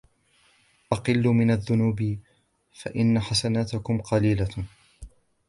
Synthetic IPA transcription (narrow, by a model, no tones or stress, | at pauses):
ʔɑqɨlːʊmɪnaðːʊnuːb | fa̰ʔɪnːaħasanaːt̪ɪkʊmqɑliːla